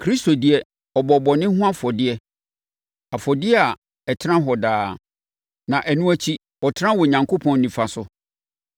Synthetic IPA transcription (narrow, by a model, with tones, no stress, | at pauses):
kʰɾi˦sto˨dɪ˨˦ɛ˦ | ɔ˨bɔ˨bɔ˨nɪ̃˦ɦʊ̃˦a˦fɔ˨dɪ˦ɛ˦ | a˨fɔ˨dɪ˦ɛ˦a˨ | ɛ˨tʰɾã˦ɦɔ˨daː˦ | nã˨ʔæ˨nũ˦æ˦t͡ɕʰi˦ | ɔ˨tʰɪ˦ã˦wɔ˨ɲã˨ŋkʰo˦pʰɔ̃˨nːĩ˨fa˨sʊ˦